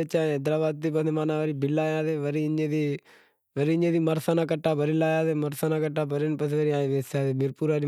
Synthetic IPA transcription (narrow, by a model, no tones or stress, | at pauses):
et͡ʃãːd̪ɾaːbaːd̪̚t̪iːpənemaːnãːʋəɾiːbɪlaːjaːt̪eːʋəɾiːɲẽːd̪iː | ʋəɾiːɲẽːd̪iːməɾsaːnãːkəʈːaːbəɾilaːjaːd̪eːməɾsanãːkəʈːaːbəɾinpəseʋəɾiaːʋeːsaːt̪ebɪɾpuːɾaːɾi